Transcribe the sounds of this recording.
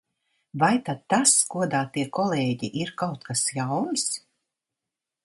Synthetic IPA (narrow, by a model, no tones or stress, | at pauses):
vajt̪ad̪t̪ːaskuɔd̪aːt̪iɛkɔlˠɛːɟiʔiɾkawt̪kasjawns